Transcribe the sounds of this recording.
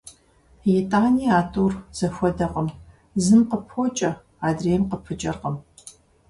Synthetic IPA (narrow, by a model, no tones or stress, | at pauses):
jetʼaːniːaːtʰʼuːrz̥ɐxʷɔdɐqəm | zɨmqəpʰoːt͡ʃʼɐ | aːdreːjɛmqəpʰɨt͡ʃʼɐrqəm